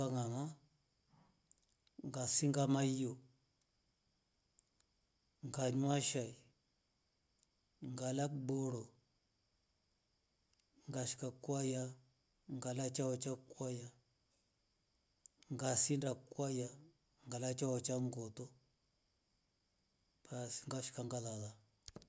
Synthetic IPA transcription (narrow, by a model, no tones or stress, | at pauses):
aŋama | ŋɡasiŋɡamaio | ŋɡaɲwaʃai | ŋɡalak̚boɾo | ŋɡaʃi̥kakwaja | ŋɡalat͡ʃaɔt͡ʃakwaja | ŋɡasindakwaja | ŋɡalat͡ʃaɔt͡ʃaŋɡɔtɔ | pasiŋɡaʃi̥kaŋɡalaða